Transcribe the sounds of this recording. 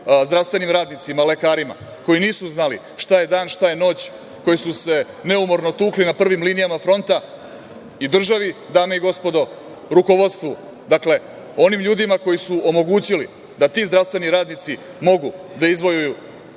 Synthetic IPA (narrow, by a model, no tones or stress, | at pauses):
zd̪ɾaʋst̪ʋe̞nimɾaːd̪nit̪simale̞kaːɾima̰ | ko̞jiniːsuznalḭ | ʃt̪aje̞d̪aːnʃt̪aje̞no̞ːt͡ɕ | ko̞jisuse̞ | ne̞umo̞ɾnot̪uːklinapr̩ʋimlinijamafɾo̞nt̪a | id̪r̩ʒaʋid̪aːmeiɡo̞spo̞d̪o̞ | ɾuko̞ʋo̞d̪st̪ʋu | d̪akle̞ | o̞nimʎuːd̪imako̞jisuo̞mo̞ɡuːt͡ɕili | d̪at̪iːzd̪ɾast̪ʋe̞niɾaːd̪nit̪si | mo̞ɡud̪aizʋojuju